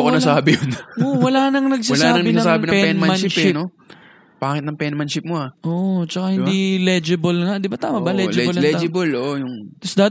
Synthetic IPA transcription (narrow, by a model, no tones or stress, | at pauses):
ɐkonɐsaːbɪjonowɐlaːnɐŋnɐɡ̚saɐsaːnaːɐŋnɪɡ̪̚ɐasaːɪnɐpɛnmɐmɐɪʃɪno | b̥aːkɪt̪̚nɐŋpɛnmɐnʃɪp̚moaʔoʔt͡ʃɐkahɪnd̪ilɛd͡ʒɪbɐlŋaʔd̪ɪbat̪aːmɐbɐlɛd͡ʒɪblɐlɛd͡ʒɪbɐlʔoʔojʊŋt̪ɐsd̪aːt̪